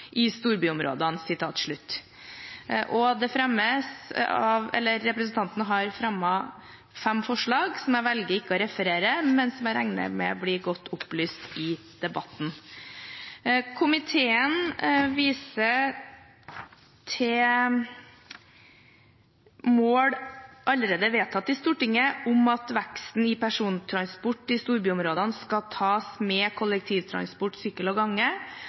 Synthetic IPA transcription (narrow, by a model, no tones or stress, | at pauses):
ʔɪst̪uːɾbyːʊmɾo̰ːd̪ɑnsɪt̪ʰɑːt̪ʂɭʉt̪ː | ʔɔd̪ɛfɾɛmːəsɑʋɛ̰lːəɾːɛpɾəsn̩t̪ɑnt̪ənəɦɑɾfɾɑmːɑ | fɛmfɔʂɭɑːɡsɔmæʋɛlɡəɾɪkːəɔɾɛfəɾeːɾəmɛnsɔmæɾæŋnə̰mɛ̰bliːɡɔt̪ːʊplyːst̪ɪ | d̪̥ɛbɑt̪n | kʰʊmɪt̪ʰeːənʋiːsə | t̪ʰɪ | moːɽʔɑləɾeːd̪əʋeːt̪ʰɑt̪ːɪst̪uːʈɪŋːəʔʊmɑt̪ʋækst̪n̩ɪpʰæʂuːnt̪ʰɾɑnspʊʈːɪst̪uːɾbyːʊmɾoːd̪ɑnskɑt̪ʰɑːsmɛkʰʊlək̚t̪ʰiːʋt̪ʰɾɑ̰nspʊʈːsyːkəlɔɡɑŋːə